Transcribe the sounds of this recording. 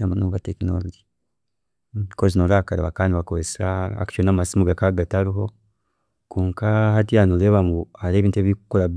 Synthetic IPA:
amanuβatekino̰loɟi | kozinoɾakaɾeβakaːndiβakoesaa̰kʃonamasimuɡakaɡataɾiɦo̞ | kuːŋkaɦatijanoleβamuaɾeβiːntueβiikukoɾa

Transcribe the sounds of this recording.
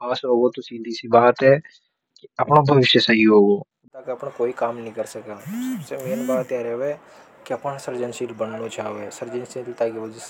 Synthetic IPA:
aːsoːɡot̪ʊ̃sĩːnd̪iːsiːbaːt̪ɦɛː | kɪəpɳõːbʱəʋɪʃjəsəɦiɦoːɡoː | t̪aːkəpnãːkoːiːkaːmnĩːkəɾsəkaːʊssemeːnbaːt̪ɛːɾɛʋɛː | kɪəpnsəɾd͡ʒənʃiːlbənnot͡ʃaːʋeːsəɾd͡ʒənsilt̪aːɡeʋəd͡ʒɪs

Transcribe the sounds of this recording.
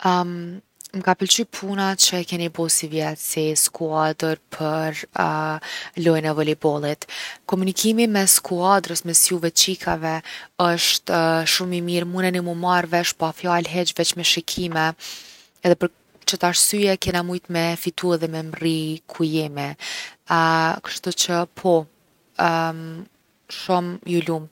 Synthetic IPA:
mkapəlt͡ʃypʰunat͡ʃəkɛnibɔsivjɛt̪siskuad̪əɾpʰəɾ | lɔjnɛvɔlibɔlˠit̪kɔmunikʰimimɛskuad̪ɾəsmɛsjuvɛt͡ʃikʰavɛəʃt̪ʃumimiɾmunənɛmumaɾvɛʃpafjalɦɛt͡ʃvɛt͡ʃmɛʃɛkʰimɛ | ɛðɛpəɾ | t͡ʃət̪aʃsyjɛkɛnamujt̪mɛfit̪uɛðɛmɛmrikʰujimi | kə̥ʃt̪ut͡ʃəpʰɔ | ʃumjulumt̪

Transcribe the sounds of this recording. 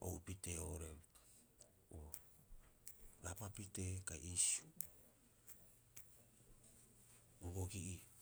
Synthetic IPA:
o̰wpiteoɾem | o | ɾapapitekaʔisu | uɡoɡiʔi

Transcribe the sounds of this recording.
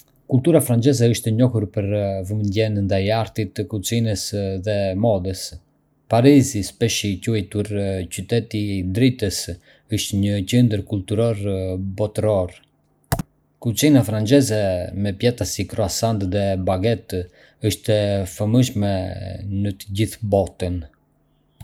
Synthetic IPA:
kult̪uɾafɾant͡ʃɛzɛəʃt̪ɛɲɔhuɾpəɾvəmənd̪ɛnnd̪ajaɾt̪it̪kut͡sinəsðɛmɔðəs | paɾizispɛʃicuɛjt̪uɾt͡ɕyt̪ɛt̪id̪ɾit̪əs | əʃt̪ɲəcənd̪əɾkult̪uɾɔɾbɔt̪ɾɔɾ | kut͡sinafɾant͡ʃɛzɛmɛpjɛt̪asikɾɔasant̪ðɛbaɡɛt̪ | əʃt̪ɛfəməʃmɛnət̪əɟiθbɔt̪ən

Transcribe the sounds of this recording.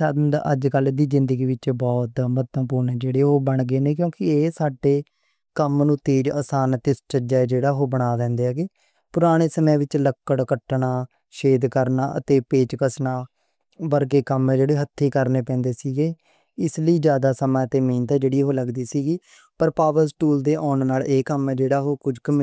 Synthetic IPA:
aːd̪md̪a̰ʔəd͡ʒkəld̪iːzɪ̃nd̪əɡiːʋɪt͡ʃbɔːt̪mət̪ːəmpuːɾneːd͡ʒeːɽeːɦoːbəɳɡeːneːkjõːkɪeːsaːɖeː | kəmnũːt̪eːd͡ʒa̰ːsaːnt̪ɪst͡ʃəd͡ʒaːed͡ʒeːɽaːɦoːbəɽ̃aːd̪ɛ̃ːnd̪eːɛːɡeː | pʊɾaːɽ̃eːsəmẽːʋɪt͡ʃləkːəɽkəʈnaː | ʃeːd̪kəɾnaːʔə̰t̪eːpeːt͡ʃkəsnaː | bəɾkeːkəmɛːd͡ʒeːɽeːɦət̪ʰːiːkəɾneːpɛ̃ːnd̪eːsiːɡeː | ɪsliːd͡ʒjaːd̪aːsəmãːt̪eːmeːnt̪ɛd͡ʒeːɽiːɦoːləɡd̪iːsiːɡiː | pəɾpaːʋəɾsʈuːld̪eːʔɔːnnaːleːkəmɛd͡ʒeːɽaːɦoːkʊd͡ʒkəm

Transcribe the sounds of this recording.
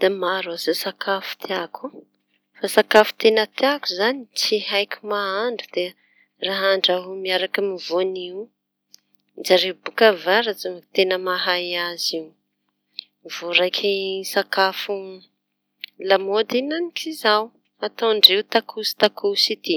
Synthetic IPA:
d̪̥amaɾazosakafu̥t̪ʰeakʰu | fasakafu̥t̪enət̪eakuzanit͡siɦajkʲumaaɳɖ͡ʐud̪̥e | raɦaɳɖ͡ʐaɦumiaɾakamivoniwu | d͡ʒaɾewbukəvaɾat͡sut̪enəmaɦajaziw | miv̥oɾajkʰʲisakafu | lamod̪inanikʰizaw | at̪awɳɖ͡ʐewt̪akʰusi̥t̪akʰusit̪i

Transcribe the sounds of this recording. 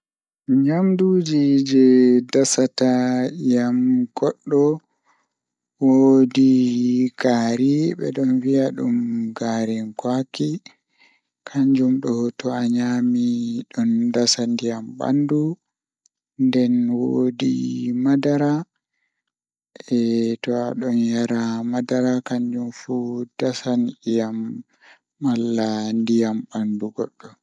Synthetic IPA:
ɲamduːd͡ʒid͡ʒɛdasatajamɡɔɗːɔ | wodiɡ̥aːɾiɓɛ̰ɗɔnviaɗumɡaːɾinkwaki | kʰaɲd͡ʒumɗɔtɔaɲaːmiɗɔndasandijamɓa̰ndu | ndɛnwodḭmadaɾa | ɛtɔaɗɔnjaɾamadaɾakaɲd͡ʒumfud̥asanɗijamː | alːandijambanduɡɔɗːɔ

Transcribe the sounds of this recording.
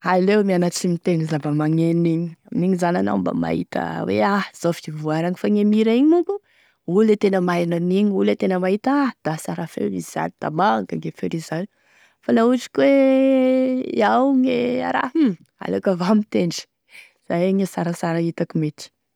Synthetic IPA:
alewmianat͡ʃimit̪enizabamaŋeniɲi̥aminiɲizanana̰wmba̰ma̰ḭt̪ə̰wḛaz̥ofivuaɾaŋifaŋemiɾaiɲinuku | ulet̪enəmananiɲiulet̪enəmaɦit̪ad̪̥asaɾafḛɾizza̰nid̪̥a̰maŋɡaŋɡefeɾizaɲu | fanauʈ͡ʂi̥kwe | iawŋea̰ɾa̰ɦ̩ | a̰lekavamit̪eɳɖ͡ʐi̥ | z̥ajeɲesaɾəsaɾait̪akimet̪i̥

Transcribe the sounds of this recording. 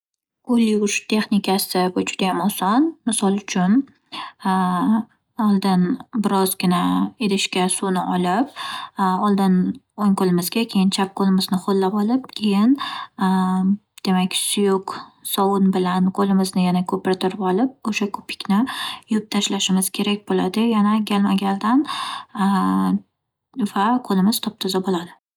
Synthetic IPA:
qʰolːɪʊʃt̪ʰe̞χnikʰasɪvʊd͡ʒʊd̪ajamɒsɒnmɪsɒlˠʊt͡ʃʰʊn | ɒlˠd̪ɪnbɪɾɒzɡʲɪnaeɾɪʃkʲasunɪʔɒlɪp̚ | ɒlˠd̪ɪn | oŋqolɪmɪzɡʲakʲʰe̞jɪnt͡ʃʰap̚qʰolɪmɪznɪχolːapɒlɪp̚kʲʰe̞jɪn | d̪̥e̞makʲsʊjʊqsɒwʊnbɪlanqʰolɪmɪznɪjanakʰɵpɪɾt̪ʰɪɾɪpɒlˠɪp̚oʃakʰo̥pʰɪ̥kʲnɪjʊp̚t̪ʰaʃlaʃɪmɪz̥kʲʰe̞ɾakʲbolad̪ɪjanaɡʲalˠmaɡʲald̪an | vaqʰolɪmɪz̥t̪ʰɒp̚t̪ʰɪzabolad̪ɪ

